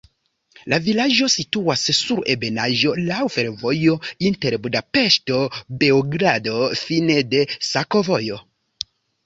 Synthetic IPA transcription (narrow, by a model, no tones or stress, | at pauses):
lavilaʒo̞situasːuɾe̞be̞naʒo̞lawfe̞ɾvo̞jo̞inte̞ɾbudape̞ʃto̞be̞oɡɾado̞fine̞de̞sako̞vo̞jo̞